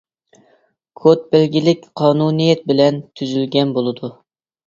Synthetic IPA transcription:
kʰot̪̚bælɡʲilɪkʲqʰɑːnunijɛt̪̚bɪlɛnt̪ʰyzylɡʲɛnbolˠɨd̪u

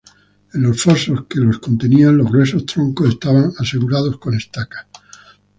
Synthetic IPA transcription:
enlo̞sfoso̞ske̞lo̞sko̞nt̪e̞nianlo̞ɦɣɾwe̞s̬o̞st̪ɾoŋkose̞st̪aβaŋase̞ɣuɾað̞o̞sko̞ne̞st̪akḁ

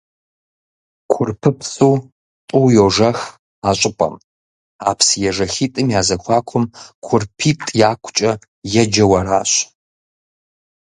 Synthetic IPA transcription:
kʷʰʊrpʰɨpsuː | tʼʊwjoʐɐx | aːɕʼɪpʼɐ̰m | aːpʰsjɛʐɐxiːtʼɨmjaːzɐxʷʰɑːkʷʰʊmkʷʰʊrpʰiːtʼjaːkʷʰʼʊt͡ʃʼɐ | jɛd͡ʒɐwɐɾaːɕ

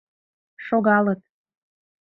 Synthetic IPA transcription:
ʃoɣɑlət̪̚

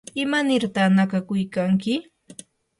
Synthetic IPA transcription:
ɪmanɪɾt̪aχnakakʊjkaŋkɪ

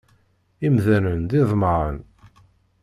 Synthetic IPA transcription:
imðænənd̪ɪðˤməɾə̰n

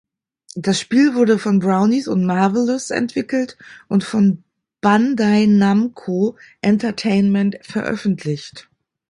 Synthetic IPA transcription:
d̥asʃpiːlvʊɐdəfɔnbʁaʊnisʊntmaɐvəlʊsɛ̰ntv̥ɪkl̩tʔʊntfɔn | b̥andaɪnamkʰoʔɛntɐtʰeɪnmɛntfɛɐʔœ̰fn̩tʰlɪçt

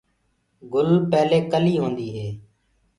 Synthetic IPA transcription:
ɡʊlpɛːleːkəliːɦõːnd̪iːɦeː

